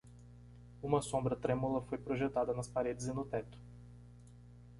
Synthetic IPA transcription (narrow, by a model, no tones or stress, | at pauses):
ũmɐsõmbɾɐt̪ɾẽmulɐfojpɾoʒet̪ad̪ɐnɐspaɾed͡ʒɪzɪnʊt̪ɛt̪ʊ̥